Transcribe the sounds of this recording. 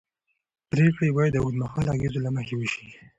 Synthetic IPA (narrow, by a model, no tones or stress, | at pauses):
pɾekɽibɑjad̪ːəud̪maxɑlɑɡezolaməxewəʃi̥